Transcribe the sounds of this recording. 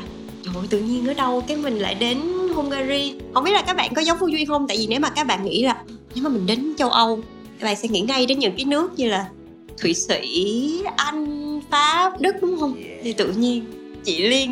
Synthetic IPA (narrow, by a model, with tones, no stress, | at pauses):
zo˧˩jt̪ɨ̰˧˨ɲi˧ənʔəː˨˦ɗə˧wkaː˨˦jmï˨˩ŋ̟la̰ː˧˨jɗe˨˦nɦo˧ŋ͡mɣaː˧zi˧ho̰˧ŋ͡mɓi˦˥la˨˩kːaː˦˥k̚ɓa̰ː˧˨nkɔ˨˦za˨˦ŋ͡mfu˧˦zwi˧nhə˧wŋ͡mt̪a̰ː˧˨jvi˨˩ne˨˦wmaː˨˩kaː˦˥k̚ɓa̰ː˧˨nŋḭ˧˥laː˨˩˧ne˨˦ma˨˩mï˨˩ŋ̟ɗe˨˦nt͡ɕə˧wʔə˧w | kaː˧˦˥ɓa̰ː˧˨nsɛ̰˧˥ŋḭ˧˥ŋa˧jɗe˨˦nɲɨ̰˧˥ŋkaː˨˦jnɨ˦˥ək̚ɲɨ˧laː˨˩ | t̪ʰwḭ˧˨sḭ˧˩˨ʔa˧jŋ̟faː˨˦p̚ɗɨ˦˥k̚ɗʊ˨˦ŋ͡mhə˧wŋ͡mt̪ʰi˨˩t̪ɨ̰˧˨ɲi˧ən | t͡ɕḭ˧˨li˧ən